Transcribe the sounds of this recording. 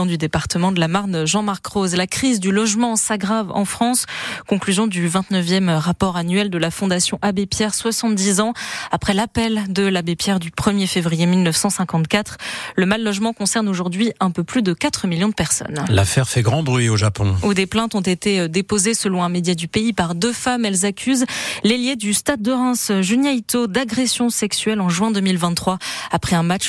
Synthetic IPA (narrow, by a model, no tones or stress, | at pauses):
ɑ̃d̪yd̪epaʁt̪əmɑ̃d̪əlamaʁnʒɑ̃maʁkχozlakχizd̪ylɔʒmɑ̃saɡʁavɑ̰̃fχɑ̃skɔ̃klyzjɔ̃d̪yvɛ̃t̪nəvjɛmʁapɔʁanɥɛld̪əlafɔ̃d̪asjɔ̃ʔabepjɛʁswasɑ̃t̪̚d̪izɑ̃apχɛlapɛld̪əlabepjɛʁd̪ypχəmjefevʁijemilnəfsɑ̃sɛ̃kɑ̃t̪kat̪χləmalːɔʒmɑ̃kɔ̃sɛʁnoʒuʁd̪ɥiɛ̃pøplyd̪əkat̪χəmiljɔ̃d̪əpɛʁsɔ̰nla̰fɛʁfɛɡʁɑ̃bʁɥioʒapɔ̃ud̪eplɛ̃t̪ɔ̃t̪et̪ed̪epozesəlɔ̃ɛ̃med̪jad̪ypeipaʁd̪øfamɛlzakʲʰyzleljed̪yst̪ad̪̚ːəʁɛ̃sʒynjajt̪od̪aɡʁesjɔ̃sɛksyɛlɑ̃ʒɥɛ̃d̪əmilvɛ̃t̪ːχwaapχɛɛ̃mat͡ʃ